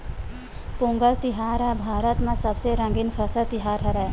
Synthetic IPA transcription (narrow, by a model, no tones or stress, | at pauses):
põːŋɡəlt̪ɪɦaːɾɦɛːbʱaːɾət̪mẽsɐbseɾə̃ŋɡɪnfʰəsət̪ɪɦaːɾɦɛɾɛː